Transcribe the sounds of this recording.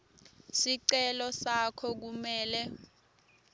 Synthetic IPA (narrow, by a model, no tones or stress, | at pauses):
siǀɛlɔsakʰɔk̬umɛːlɛ